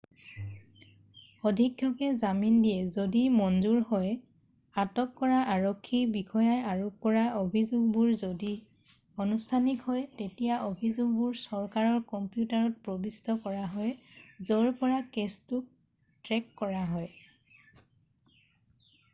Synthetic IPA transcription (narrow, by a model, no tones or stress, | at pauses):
odʱikjɔkɛzamindijɛzodimɔnzuɹhɔj | atɔkːɔɹaʔaɹɔkʰːibikʰɔjajaɹukɔɹaʔobʱizuɡ̚buɹzodi | onustʰanikhɔjtetijaʔobʱizʊɡ̚buɹsɔɹkaɹɔɹkɔmpjutaɹɔt̚pɹɔbistɔkɔɹaɦɔjzɔɹpɔɹakestʊk̚ | tɹɛkːɔɹaɦɔj